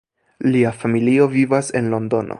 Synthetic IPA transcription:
liafamilio̞vivase̞nlo̞ndo̞nʔo̰

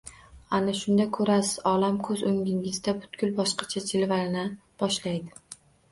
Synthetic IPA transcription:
anaʃʊnd̪ajkʰɵɾasɪz̥ɒlamkʰɵzɵŋʲɪŋɪzd̪abʊt̪ɡ̥ʲʊlbɒʃqɑ̥t͡ʃʰat͡ʃʰɪlvalnɪb̥ɒʃlajd̪ɪ

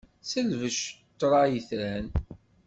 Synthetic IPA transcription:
səlvəʃt̪ːɾˤɑjiθɾæn

